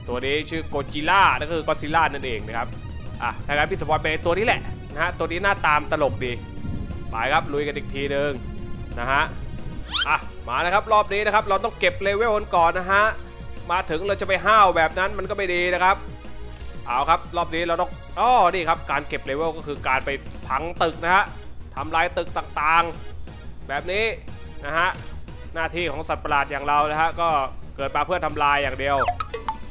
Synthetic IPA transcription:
t̪u˧ɐniː˦˥t͡ɕʰɯː˥˩koː˧t͡ɕi˧laː˥˩na˧˥˩kɔ˥˩kʰɯː˧kɔː˦˥si˧˥laː˥˩na˥˩nʔeː˧ŋna˦˥˩kʰa˦˥p̚ | ʔa̰ː˨˩t̪ʰaː˥˩kaː˧npʰiː˥˩sa˧pʰɔː˧np̬a˧jʔa˧jt̪u˧ɐniː˦˥lɛ˨˩ʔna˦˥ha˦˥t̪u˧ɐniː˦˥naː˥˩t̪aː˧mt̪a˧lo˨˩k̚diː˧ | ma̰ː˨˦jkʰa˦˥p̚lu˧jka˧nʔiː˨˩k̚t̪ʰiː˧nɯ˧ŋna˦˥ɦa˦˥ʔ | ʔa˨˩maː˨˦la˦˥kʰa˦˥p̚ɾɔː˥˩p̚niː˦˥na˦˥kʰa˦˥p̚ɾa˧wt̪̬ɔ˥˩ŋke˨˩p̚leː˧we˥˩wka˧nkɔː˨˩nːa˦˥ɦa˦˥ʔ | maː˧t̪ʰɯ˩˦ŋɾa˧wt͡ɕa˨˩pa˧jɦaː˥˩wbɛː˨˩p̚na˦˥nma˧nkɔː˥˩ma˩jdiː˧na˦˥kʰa˦˥p̚ | ʔʰaː˨˩wkʰa˦˥p̚ɾɔː˥˩p̚niː˦˥ɾa˧wt̪ɔ˥˩ŋ | ʔɔː˧˩niː˥˩kʰa˦˥p̚kaː˧nke˨˩p̚leː˧we˥˩kɔː˥˩kʰɯː˧kaː˧npa˧jpʰa˨˩˦ŋt̪ɯ˨˩k̚na˦˥kʰa˦˥ʔt̪ʰa˧mlaː˧jt̪ɯ˨˩k̚t̪aː˨˩ŋt̪aː˨˩ŋ | bɛː˨˩p̚niː˦˥ | na˦˥ha˦˥ʔ | naː˥˩t̪ʰiː˥˩kʰɔː˩˦ŋsa˨˩t̪̚pa˧laː˨˩t̪̚jaː˨˩ŋɾa˧wna˦˥ha˦˥ʔkɔː˥˩kɤː˨˩t̪̚maː˧pʰɯ˥˩ənt̪ʰa˧mlaː˧jːaː˨˩ŋdi˨˧əw

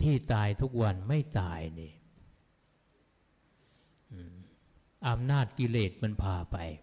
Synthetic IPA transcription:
t̪ʰiː˥˩t̪aː˧jt̪ʰu˦˥k̚wa˧nma˥˩jt̪aː˧jniː˧˩ | ʔɯː˧˩ | ʔa˧mnaː˥˩t̪̚ki˧leː˨˩t̪̚ma˧npʰaː˧pa˧j

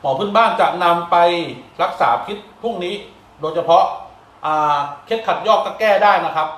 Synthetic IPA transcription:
mɔː˩˦pʰɯ˥˩nbaː˥˩ŋt͡ɕa˨˩ʔna˧mpa˧jɾa˦˥k̚saː˩˦pʰi˦˥t̪̚pʰu˥˩ŋniː˦˥ | doː˧jt͡ɕʰa˧pʰɔ˦˥ʔ | ʔaː˧˩kʰe˦˥t̪̚kʰa˨˩t̪̚jɔː˥˩k̚kːa˥˩kɛː˥˩daː˥˩jna˦˥kʰa˦˥p̚

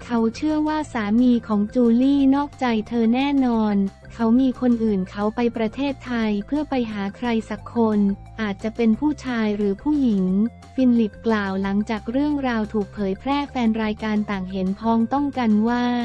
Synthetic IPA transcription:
kʰa˦˥wt͡ɕʰɯ˥˩əwaː˥˩saː˩˦miː˧kʰɔː˩˦ŋt͡ɕuː˧liː˥˩nɔː˥˩k̚t͡ɕa˧jt̪ʰɤː˧nɛː˥˩nɔː˧n | kʰa˦˥wmiː˧kʰo˧nʔɯː˨˩nkʰa˦˥wpa˧jpɾa˧t̪ʰeː˥˩t̪ʰːa˧jpʰɯ˥˩əpa˧jɦaː˩˦kʰɾa˧jsa˨˩kʰːo˧n | ʔaː˨˩t̪̚t͡ɕa˨˩ʔpe˧npʰuː˥˩t͡ɕʰaː˧jɾɯː˩˦pʰuː˥˩ji˩˦ŋ | fiː˧nli˨˩p̚klaː˨˩wla˩˦ŋt͡ɕaː˨˩k̚ɾɯ˥˩əŋɾaː˧wt̪ʰuː˨˩k̚pʰɤː˩˦jpʰɾɛː˥˩fɛː˧nɾaː˧jkaː˧nt̪aː˨˩ŋɦe˩˦npʰɔː˧˦˥ŋt̪ɔ˥˩ŋka˧nwaː˥˩

